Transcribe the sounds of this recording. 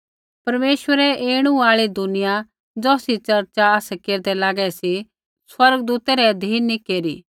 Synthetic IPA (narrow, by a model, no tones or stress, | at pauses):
pɐɾmeːʃʋəɾɛeːɽ̃ũaːɭid̪ʊnɪja | d͡zɔːsit͡ʃɐɾt͡ʃaaːsɛkeːɾd̪ɛlaːɡɛsi | swɐɾɡd̪uːt̪ɛɾɛd̪ʱiːnːikeːɾiː